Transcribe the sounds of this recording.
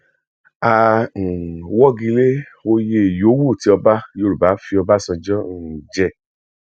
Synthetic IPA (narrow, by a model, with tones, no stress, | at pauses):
a˧˨ | wɔ˦ɡi˧le˦o˧je˧˨jo˨˦wu˦˨ti˨˦ɔ˧ba˦jo˦˨ɾu˨ba˨˦fi˧ɔ˧ba˦sɔ˧d͡ʒɔ˦˨d͡ʒɛ˨